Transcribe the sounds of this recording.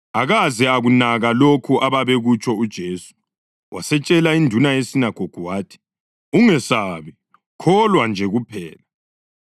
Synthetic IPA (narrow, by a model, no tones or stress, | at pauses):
aɣazɛaɣunaɣalokʰuʔaβaβeɣut͡ʃʰʼɔud̥ʒ̥ʱeːsu̥ | wʔasɛt͡ʃʼɛlaindʱunajesinaɡ̥ʱoɡ̥ʱuwaːtʰi̥ | uŋɛsaβi | kʰɔlwand͡ʒʱɛɣupʰɛ̰ːla